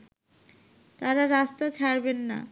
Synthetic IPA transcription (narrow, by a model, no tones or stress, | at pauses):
t̪aɾaɾast̪at͡ɕʰaɾbenːa̰